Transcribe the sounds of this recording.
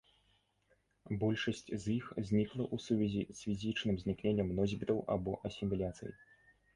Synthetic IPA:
bɔlʲʂɐsʲt͡sʲzjixzʲnʲiklˠɐʔusuvʲɛzʲisʲfʲizʲit͡ʂnɨmzʲnʲiknʲenʲːɐmnɔzʲbʲit̪ɐwa̰bɔʔɐsʲimʲilʲat̪sɨjɐ̰j

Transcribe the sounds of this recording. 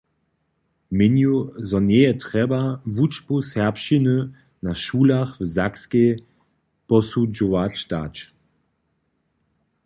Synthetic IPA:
mɪnjuzɔnɛjɛtʁɛbavut͡ʃpusɛʁpʃinə | naʃuːlaxvzakske | pɔsud͡ʒɔvat͡ɕd̪a̰t͡ʃ

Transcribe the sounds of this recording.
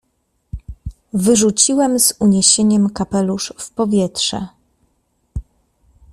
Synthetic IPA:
vɘʐut͡ɕiwɛmzuɲeɕeɲɛmkapɛluʂfpɔvʲjɛtʂɛ̰

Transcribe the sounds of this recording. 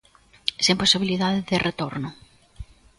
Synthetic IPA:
semposiβiliðaðɪðɪrʔet̪oɾnʊ

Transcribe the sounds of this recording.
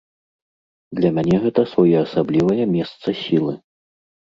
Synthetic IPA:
d̪lʲɐmʲanʲɛɣɛt̪ɐsvajɛasablʲivɐjɐmʲɛst̪sɐsʲilˠɨ

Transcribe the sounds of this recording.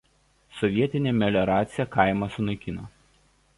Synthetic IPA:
sɔʋʲiɛt̪ʲɪnʲeːmʲɛlʲɛɾɑːt̪sʲɪjɛkɑˑɪmɐsʊnɐɪkʲɪnoː

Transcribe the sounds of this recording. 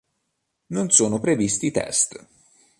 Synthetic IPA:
nonsoːnopɾevist̪it̪ɛ̰st̪

